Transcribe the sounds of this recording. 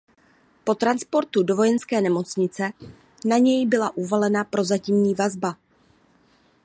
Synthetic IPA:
po̞t̪ɾanspo̞ɾt̪udo̞vo̞jɛnskɛːnɛmo̞t͡sɲɪt͡sɛ | naɲɛjbɪlaʔuvalɛnapɾo̞zacimɲiːvazba

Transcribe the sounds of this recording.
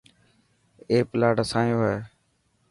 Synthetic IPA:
eːpɪlaːɖəsaːjõːɦeː

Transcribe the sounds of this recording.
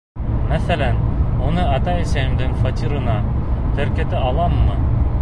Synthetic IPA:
mæθælænunɤɑt̪ɑisæjimd̪ɘŋfot̪ʲiɾɤ̆nɑ | t̪ɘ̆ɾkɘ̆t̪ɘɑlˠɑmːɤ

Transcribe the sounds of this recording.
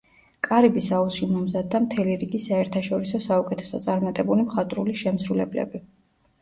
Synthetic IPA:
kʼaɾibisauʃimɔmzad̪ːamt̪ʰɛliɾiɡisaɛɾt̪ʰaʃɔɾisɔsaukʼɛt̪ʰɛ̥sɔ̰t̪sʼaɾmat̪ʼɛbulimχat̪ʼɾuliʃɛmsɾulɛblɛ̰bi

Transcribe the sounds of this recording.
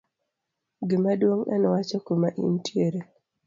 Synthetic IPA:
ɡɪmadwoŋa̰nɔwat͡ʃɔkumaʔḭntjeɾe

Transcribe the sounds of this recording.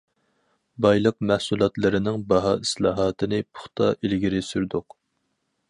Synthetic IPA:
bɑjlˠəqmæhsulˠɑt̪lˠɨɾɪnɪŋbɑɦɑːislˠɑːɦɑːt̪ʰɨnɪpʰʊ̥χt̪ʰɑ̰ʔilɡʲiɾɪsyɾd̪ʊq

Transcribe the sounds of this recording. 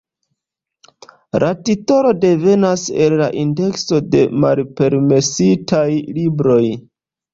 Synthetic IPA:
lʔatito̞ɾo̞de̞ve̞nase̞lːaʔinde̞kso̞de̞̰malpe̞ɾme̞sitajlibɾo̞j

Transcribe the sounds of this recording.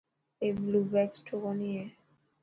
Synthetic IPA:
eblubɛt͡ʃʈʰokɔnije

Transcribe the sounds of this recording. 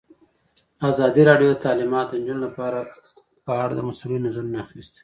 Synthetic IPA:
azɑd̪iɾɑɖjoət̪ɑlɪmɑt̪̚d̪ənd͡ʒunolapɑɾa | pəaɽd̪ə̰masulinazaɾnaxist̪

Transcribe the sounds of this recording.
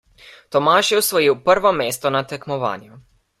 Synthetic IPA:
t̪omaːʃiusʋojiuprʋomeːst̪onat̪ɛkmoʋa̰ːnju

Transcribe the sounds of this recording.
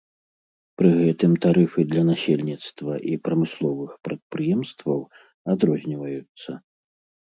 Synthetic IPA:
pɾɨɣɛt̪ɨmt̪aɾɨfɨd̪lʲɐnasʲelʲnʲit̪st̪vɐʔipɾɐmɨslˠɔvɨxpɾɐt̪̚pɾɨjɛmst̪vɐw | ad̪ɾɔzʲnʲivɐjut̪sːɐ

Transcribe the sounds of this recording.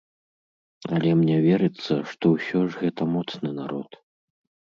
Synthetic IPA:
ɐlʲɛmnʲɛvʲɛɾɨt̪sːɐʂt̪ɔwsʲɔʐɣɛt̪ɐmɔt̪snɨnaɾɔt̪

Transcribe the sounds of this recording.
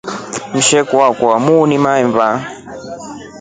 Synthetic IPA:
m̩ʃɛkuwakwamuːnimaɛɱva

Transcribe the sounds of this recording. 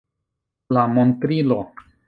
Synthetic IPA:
lamo̞ntɾilo̞

